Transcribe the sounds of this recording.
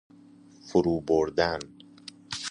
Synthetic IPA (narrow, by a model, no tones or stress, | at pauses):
fʊɾuːboɾd̪æn